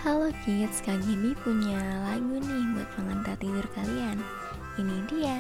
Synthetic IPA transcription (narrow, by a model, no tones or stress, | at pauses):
halokit̪̚skaɡinipuɲalaɡunɪhmʊ̰t̪̚məŋənt̪at̪idʊrkalian | inidia